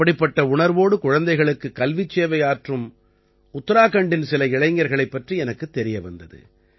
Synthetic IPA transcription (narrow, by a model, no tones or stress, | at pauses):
ɐɽɪpːɐʈːɐʊɳɐɾʋoːɽɯkʊɻɐnd̪ɐɪɣɐɭɯkːɯkɐlʋɪt͡ʃːeːʋɐjaːʈrɯm | ʊt̪ːɐɾaːkɐɳɖɪnsɪlɐɪɻɐɪŋɡɐɾɣɐɭɐɪpːɐʈriɛnɐkːɯt̪ːɛɾɪjɐʋɐ̰nd̪ɐðɯ̰